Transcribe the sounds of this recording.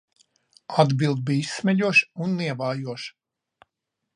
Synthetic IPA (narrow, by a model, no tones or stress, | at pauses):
ad̪bilˠd̪̚biːisːmʲɛʎʲuɔʃunːiɛvaːjuɔʃ